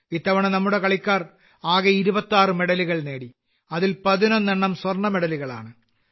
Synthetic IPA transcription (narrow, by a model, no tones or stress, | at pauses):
it̪ːɐʋɐɳɐnɐmːuɽe̞kɐɭikʲːaːr | aːɣeiɾubɐt̪ːaːrɨme̞ɽɐliɣɐɭne̞ːɽi | ɐðilpɐðinonːeɳːɐmswɐrɳɐmeɽɐliɣɐɭa̰ːɳɨ